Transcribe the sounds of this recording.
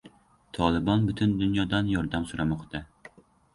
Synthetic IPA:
t̪ʰɑːlˠɨbɑnbyt̪ʰynd̪unjɑd̪ɑnjɑɾd̪ɑmsuɾɑmɑχt̪ʰɨ

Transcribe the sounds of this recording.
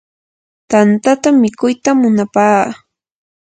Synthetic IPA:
t̪ant̪at̪amɪkʊjt̪amːʊnapaː

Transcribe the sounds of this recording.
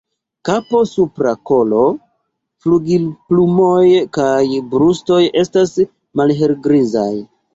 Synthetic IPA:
kapo̞supɾako̞lo̞ | fluɡilplumo̞jkajbɾusto̞je̞stas | malɦelɡɾiza̰j

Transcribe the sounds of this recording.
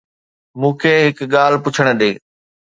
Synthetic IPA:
mũːkʰeɦɪkɠaːl̤pʊt͡ɕʰəɽ̃̆ɗ̪eː

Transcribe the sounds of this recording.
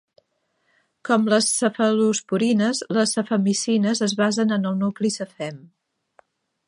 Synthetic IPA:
kɔmləsəfəluspuɾinəzləsːəfəmisinəzəzβazənənəlˠnuklisəfɛm

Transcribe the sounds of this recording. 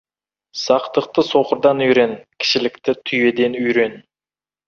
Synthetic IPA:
sɑqt̪əq̚t̪əso̞qəɾd̪ɑnʏjɾe̞nkʲʰɪ̥ʃɪlɪkt̪ɪt̪ʰʏje̞d̪e̞nʏjɾe̞n

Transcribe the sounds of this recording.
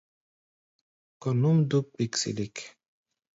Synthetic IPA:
kɔnumd̪uk̚biksḭlik

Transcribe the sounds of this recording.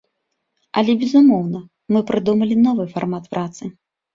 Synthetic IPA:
ɐlʲɛbʲɛzumɔwnɐ | mɨpɾɨd̪umɐlʲinɔvɨfarmat̪pɾʔat̪sɨ

